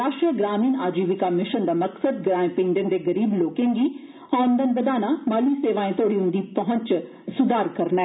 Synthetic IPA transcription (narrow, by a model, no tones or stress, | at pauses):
ɾaːʃʈɾiəɡɾaːmiːnaːd͡ʒiːʋɪkamɪʃənd̪aːmɐksəd̪̚ɡɾaːẽpɪ̃ŋd̪ẽnd̪eːɡəɾiːbloːkẽːŋɡiː | ɔ̃ːənd̪ənbəd̪aːnamaːliːseːʋaːẽːt̪oːɽiːʊ̃nd̪iːpɐɦə̃ɲt͡ʃ | sʊd̪aːɾkɐɾnaɛː